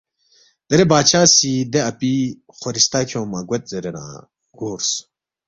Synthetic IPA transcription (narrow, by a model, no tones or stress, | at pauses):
d̪̥ɐɾebaːt͡ɕʰaːsid̪eɐpi | xoɾist̪akʰõːmɐɡwet̪̚zeɾeɾã̰ː | ɡoːɾs